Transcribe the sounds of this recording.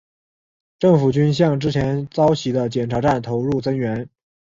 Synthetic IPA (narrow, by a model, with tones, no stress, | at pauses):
ʈ͡ʂɤ˥˩ŋfu˨˩t͡ɕy˥nɕ̬jɑ˥˩ŋʈ͡ʂɻ̩˥t͡ɕʰjɛ˧˥nt͡sɑ˥ʊɕʰi˧˥d̪ə˧t͡ɕjɛ˨˩nʈ͡ʂʰa˧˥ʈ͡ʂa˥˩nt̪ʰo˧˥ʊɻu˥˩t͡sɤ˥ŋɥɛ˧˥n